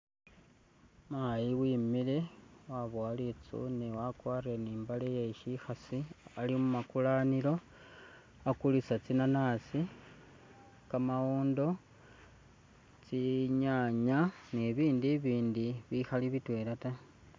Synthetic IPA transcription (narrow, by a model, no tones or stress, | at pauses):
maːjiwiːmile̞waβwaːlit͡sṵnewakwaːrieniːmbalejeʃixasialimumakulaːnilo̞ | akulisat͡sinanaːsi | kamawoːndo̞ | t͡siɲaːɲaneβiːndiβiːndiβixaliβitwe̞lata